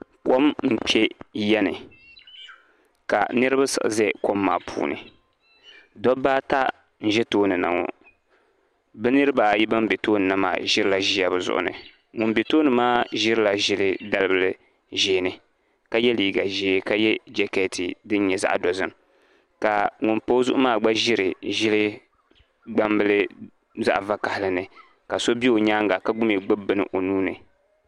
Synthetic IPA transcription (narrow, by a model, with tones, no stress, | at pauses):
ko˦mm̩˦pɛ˦jɛ˦nɨ̰˨ | ka̰˨nɨ˦ɾɨ˦ba˦sɨ̰˨ʔzɛ˦ko˦mːa̰ː˨pʰṵː˨nɨ̰˨ | dɔ˦baː˦ta˦ | n̩˦˨ʒɛ˦toː˦nɨ˨na̰˨ŋɔ̰˨ | bɛ˦nɨ˦ɾɨ˦ba˨ji˦ba˦m˦bɛ˨toː˦nɨ˨nɨ˦ma̰ː˦˨ʒɪ˦ɾɨ˦la˨ʒi˦ja˦˨bɨ˨zʊ̰˦˨ʔʊ̰˨nɨ̰˨ | ŋʊ˨m˦bɛ˨toː˦nɨ˨maː˦ʒɪ˦ɾla˨ʒɪ˦lɨ˦da˦lɨ˦bɨ˦lɨ˨ | ʒeː˨˦˨nɨ˨ | ka˦jɛ˦liː˦ɡa˨ʒeː˦ka˦jɛ˦d͡ʒɛ˨kɛ˦˨tʰi˨dɨ˦n˦ɲɛ˨za̰˦ʔdɔ˨zɨ˦m | ka˨ŋʊ˨npo˦zʊ˦ʔʊ˦maː˦˨ɡ͡ba˦ʒɪ˦ɾɨ˨ʒɪ˦lɨ˦ | ɡ͡ba˦mbɨ˦lɨ˦ | za̰˦ʔva˦ka˨hɪ˨lɨ˨nɨ˨ | ka˨so˦bi˦o˨ɲaː˦ŋɡa˨ka˦ɡʊ˦mi˨ɡ͡bɨ˦bɨ˦nɨ̰˨ʔo˨nuː˦nɨ̰˨